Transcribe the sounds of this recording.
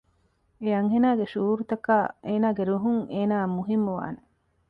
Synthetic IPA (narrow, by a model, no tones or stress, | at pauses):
eɐŋɦenaːɡeʃuːɾut̪ɐkaːʔeːnaːɡeɾuɦuŋeːnaːmuɦimːuʋa̰ːne